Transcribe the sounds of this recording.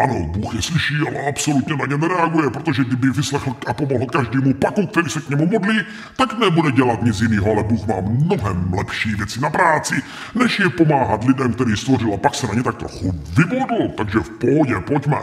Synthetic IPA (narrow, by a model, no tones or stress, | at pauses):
ʔanobuːxjɛslɪʃiːalɛapsolut̪ɲɛnaɲɛnɛɾɛaɡujɛpɾot̪oʒɛɡdɪbɪvɪslɛxl̩ʔapomoɦl̩kaʒdiːmupakuk̚t̪ɛɾiːsɛkɲɛmumodliː | t̪aknɛbudɛɟɛlat̪ɲɪt͡sjiniːɦoalɛbuːxma̰ːmnoɦɛmlɛpʃiːvjɛt͡sɪnapɾaːt͡sɪ | nɛʃjɛpomaːɦat̪lɪdɛmkt̪ɛɾiːst̪vorɪlapaksɛnaɲɛt̪ak̚t̪o̰xuvɪbodl̩t̪aɡʒɛfpoɦɔɟɛpocmɛ̰